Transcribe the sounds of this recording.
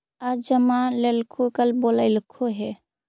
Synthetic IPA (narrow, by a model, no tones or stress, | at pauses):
ad͡ʒəmalelkʰukəlbolaɪlkʰoɦɛ